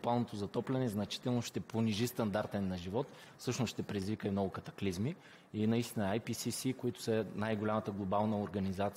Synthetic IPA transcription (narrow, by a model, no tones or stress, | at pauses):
balˠnot̪ozɐt̪ɔplʲɛnɛznɐt͡ʃi̥t̪ɛlˠnoʃt̪ɛponiʒist̪ɐnd̪aɾt̪ɛnːɐʒivɔt̪ | fsɤʃnosʃt̪ɛpɾɛd̪izvikəimnɔɡʊkɐt̪ɐ̥klizmi | inɐist̪inɐajpisisikoit̪ʊ̥sənajɡolʲamət̪əɡlˠobalˠnəoɾɡɐnizat̪s